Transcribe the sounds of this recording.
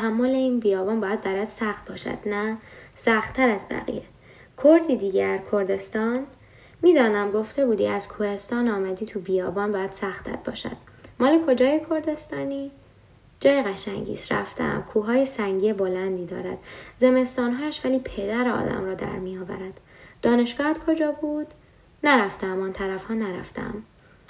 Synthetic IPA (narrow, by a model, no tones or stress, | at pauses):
t̪ʰæɦæmːo̞leiːnbijɒːbɒːnbɒːjæd̪̚bæɾæd̪sæxt̪̚bɒːʃæ̰d̪̥næsæxt̪ʰːæɾæzbæ̰ɣḭje | kʰoɾd̪id̪iːɟæɾkʰoɾd̪e̞st̪ɒːn | miːd̪ɒːnæmɡo̞ft̪e̞buːd̪iæz̥kʰuhe̞st̪ɒːnɒːmæd̪iːt̪ʰubijɒːbɒːnbɒːjæd̪̥sæxt̪ːæ̰t̪̚bɒ̰ːʃæ̰d̪̥mɒːle̞kʰo̞d͡ʒɒːjekʰo̞ɾd̪e̞st̪ɒːniː | d͡ʒɒːjeɣæʃæŋɟḭːstɾæ̰ft̪ḛæ̰mkʰuːɦɒːjesæŋɟiːebo̞lænd̪iːd̪ɒ̰ːɾæ̰d̪̥ze̞me̞st̪ɒːnɦɒːæʃvæliːpʰe̞d̪æɾeɒ̰ːd̪æ̰mɾɒːd̪æ̰ɾmijɒːvæ̰ɾæd̪̥ | d̪̥ɒːne̞ʃɡ̥ɒːhæt̪kʰo̞d͡ʒɒːbuːd̪̥ | næɾæft̪æmɒːnt̪ʰæɾæfhɒːnæɾæ̰ft̪ḛæ̰m